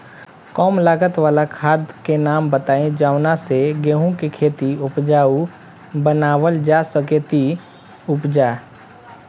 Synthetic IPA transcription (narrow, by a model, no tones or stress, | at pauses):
kɔːmlaːɡət̪ʋaːlakʰaːd̪kenaːmbət̪aːẽd͡ʒaːʋnaseɡeːɦõkikʰeːt̪iʊpd͡ʒaːu | bənaːwəld͡ʒaːsəket̪i | ʊpd͡ʒaː